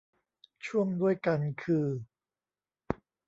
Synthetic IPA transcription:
t͡ɕʰu˥˩əŋdu˥˩əjka˧nkʰɯː˧

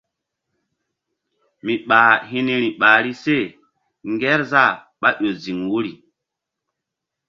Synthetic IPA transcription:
mi˨ɓaː˨ɦi˦ni˦ɾi˨ɓaː˨ɾi˦se˦˨ | ŋɡɛ˦ɾza˦˨ | ɓa˦ɗo˨zi˨ŋwu˦ɾi˨

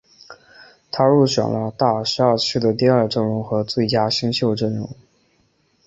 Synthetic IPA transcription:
t̪ʰa˥ɻu˥˩ɕɥɛ̰˨˩nlə˦t̪a˥˩ʂɻ̩˧˥a˞˥˧t͡ɕ̩ʰ˥˩d̪ə˩t̪̬i˥˧ɐ˞˥˧ʈ͡ʂɤ˥˩ŋɻʊ˧˥ŋxɤ˧˥t͡swe˥˩ɪt͡ɕja˥ɕi˥ŋɕjo˥˧ʊʈ͡ʂə˥˩nɻʊ̰˧˥ŋ

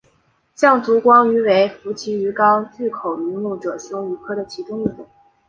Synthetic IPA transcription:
ɕjɑ˥˩ŋt͡su˧˥kwɑ˥ŋy˧˥we˧˥ɪfu˧˥t͡ɕʰi˧˥y˧˥kɑ˥ʊt͡ɕy˥˩kʰo˨˩ʊmi˧˥ŋlu˥˩ʈ͡ʂɤ˨˩ɕjʊ˥ŋy˧˥kʰɤ˥˩d̪ə˩t͡ɕʰi˧˥ʈ͡ʂʊ˥ŋi˥˩t̪ʊ˨˩˦ŋ

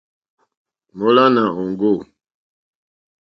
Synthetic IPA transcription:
mo˦la˦na˨ɔ˨ŋɡo˦˨

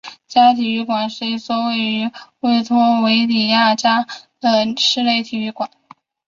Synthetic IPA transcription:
t͡ɕja˥t̪ʰi˨˩y˥˩kwa˨˩nʂɻ̩˥˧i˥˩swɔ˥˧we˥˩ɪy˧˥we˥˩ɪt͡s̪ʰʊ˥ŋwe˧˥ɪt̪i˨˩ja˥˩t͡ɕja˥d̪ə˧ʂɻ̩˥˧le˥˩ɪt̪ʰi˨˩y˧˥kwa˨˩˦n

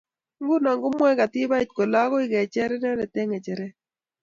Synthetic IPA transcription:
ŋɡʊ˦na˨ŋɡʊ˦mwɛ˦ɡa˨tɪ˦ba˦i˦t̚ko˨la˦kɔ˦ɪ˦ɡɛ˨t͡ʃɛ˦ɾɛ˦nɛ˦ɾɛ˨tɛ˦ŋɛ˨t͡ʃɛ˨ɾɛ˦

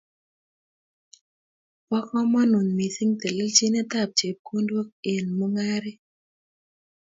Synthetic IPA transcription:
wɔ˦kɔ˦mɔ˦nu˨ɲmi˨si˦ŋt̪e˨le˦lt͡ʃi˦nɛ˦t̪a˦˨p̚t͡ʃe˨p̚ko˦ndwo˦k̚e˨nmo˦ŋa˦ɾɪ˦

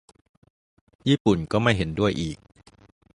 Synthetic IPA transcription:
jiː˥˩pu˨˩nkɔː˥˩ma˥˩jɦe˩˦ndu˥˩əjʔiː˨˩k̚

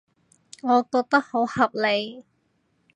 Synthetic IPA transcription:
ŋɔː˨˧koː˧k̚t̪ɐ˥k̚ho˨˥whɐ˨p̚le˨˧j

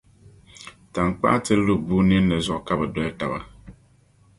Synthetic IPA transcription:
ta˨ŋ˨k͡pa̰˦tɨ˦lu˦buː˦nɪ˦nː˦ɨ˨zʊ˦ʔka˦bɛ˨dɛ˦ta˨ba̰˦˨

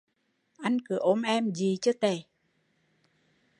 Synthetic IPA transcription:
ʔa˧jŋ̟kɨ˨˧˩əʔo˧nʔɛ˧mzi˨˩t͡ɕɨ˧˦t̪e˧˩˦

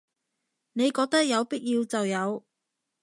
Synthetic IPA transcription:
ne˨˧jkɔː˧k̚t̪ɐ˥k̚jɐ˨˧wpi˥k̚jiː˧wt͡sɐ˨wjɐ˨˧w

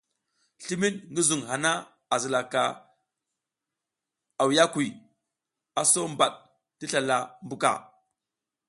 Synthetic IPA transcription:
ɬi˦mi˦tŋɡi˦zu˨ŋɦa˨na˦ | a˨zi˨la˨ka˨ | a˨wja˦kwi˨ | a˨so˦mba˨ɗ̚ | ti˦ɬa˨la˦mbu˦ka̰˨

